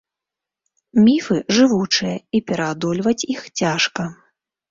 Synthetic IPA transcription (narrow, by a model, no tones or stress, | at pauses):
mʲifɨʐɨvut͡ʂɨjɐipʲɛɾɐad̪ɔlʲvɐt͡sʲixt͡sʲaʂkɐ